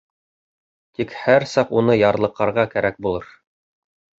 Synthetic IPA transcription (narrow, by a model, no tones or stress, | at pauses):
t̪ikhæɾsɑqunɤjɑɾlˠɤ̆qːɑɾʁɑkæɾæk̚bulˠɤɾ